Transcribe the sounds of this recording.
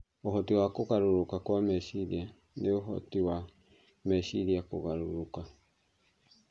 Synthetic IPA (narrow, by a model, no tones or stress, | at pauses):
oɦɔtiwakoɣaɾoɾokakwamɛʃiɾia | neoɦɔ̰tiwa | mɛɕiɾiakoɣaɾoɾoka